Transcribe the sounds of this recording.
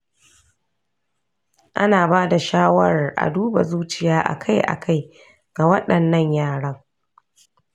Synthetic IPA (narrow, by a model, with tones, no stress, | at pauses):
ʔa˦naː˨baː˦da˨ʃaː˦wɐ˦˨rʔa̰˨duː˦ba̰˨zuː˦t͡ʃɪ˦˨jaː˦ʔa̰˨kʰa˦jʔa̰˨kʰa˦j | ɡa˨wɐ˦ɗɐ˨nːɐ˦ɲjaː˦˨ɽɐ˦ŋ